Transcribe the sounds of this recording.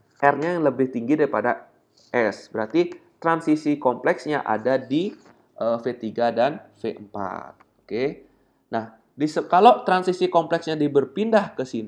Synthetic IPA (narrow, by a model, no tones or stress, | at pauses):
ʔɛrɲajaŋləbɪht̪iŋɡidaɾipada | ʔɛsbəɾart̪it̪ɾansisikɔmplɛksɲaʔa̰dadi | ʔəfet̪iɡadanfeʔəmpa̰t̪̚oke | nah | disəkalot̪ɾansisikɔmplɛksɲadibərpindahkəsin